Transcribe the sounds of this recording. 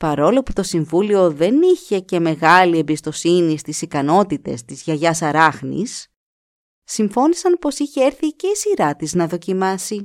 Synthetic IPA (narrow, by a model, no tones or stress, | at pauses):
pɐɾo̞lo̞put̪o̞siɱvulio̞ðe̞niçe̞ce̞me̞ɣɐlie̞mbist̪o̞sinist̪isikɐno̞t̪it̪e̞̰st̪izʝɐʝɐsɐɾɐxnḭs | iɱfo̞nisɐnpo̞siçe̞eɾθice̞isiɾɐt̪iznɐðo̞cimɐsi